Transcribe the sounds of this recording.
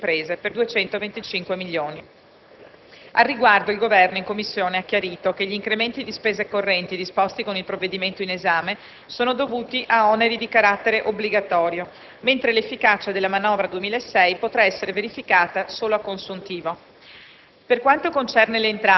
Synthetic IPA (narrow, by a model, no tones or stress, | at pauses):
impɾeːzeperd̪uet͡ʃɛnt̪ovent̪it͡ʃiŋkwemiʎːoːni | arːiɡward̪oilɡovɛrnoiŋkomːisːjoːneakːjaɾiːt̪ok̟eʎːiːŋkɾement̪id̪ispeːzekorːɛnt̪id̪ispɔst̪ikonilpɾovːed̪iment̪oinezaːme | soːnod̪ovuːt̪iʔaɔneɾid̪ikaɾat̪ːeɾeʔobliɡat̪ɔːɾjo | ment̪ɾelefːikaːt͡ʃad̪elːamanɔːvɾad̪uemiːlaesːɛjpot̪ɾaɛsːeɾeveɾifikaːt̪asoːloakːonsunt̪iːvo | perkwant̪okont͡ʃɛrneleːnt̪ɾa